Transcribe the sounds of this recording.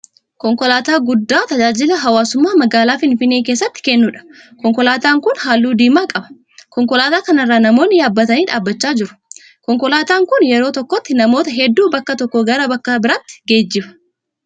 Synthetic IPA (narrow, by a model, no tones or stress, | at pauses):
kɔŋkɔlaːt̪aːɡʊd̪ːaːt̪ɐd͡ʒaːd͡ʒɪlɐɦɐwaːsʊmːaːmɐɡaːlaːfɪnfɪnːe̞ːke̞ːs̬ːɐt̪ːɪ̥kɛnːuːᶑɐ̥ | kɔŋkɔlaːt̪aːŋkʊnɦaːlːuːd̪iːmaːkʼɐbɐ̥ | kɔŋkɔlaːt̪aːkɐnɐrːaːnɐmoːnːɪjaːbːɐt̪ɐniːᶑaːbːɐt͡ʃːaːd͡ʒɪɾʊ̥ | kɔŋkɔlaːt̪aːŋkʊnjɛɾoːt̪ɔkːɔt̪ːɪnɐmo̞ːt̪ɐɦɛd̪ːuːbɐkːɐt̪ɔkːɔɡɐɾɐbɐkːɐbɪɾat̪ːɪ̥ɡe̞ːd͡ʒːɪbɐ̥